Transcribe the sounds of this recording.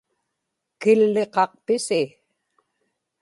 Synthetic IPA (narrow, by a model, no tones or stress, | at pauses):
kɪlːe̞qɑq̚pɪsɪ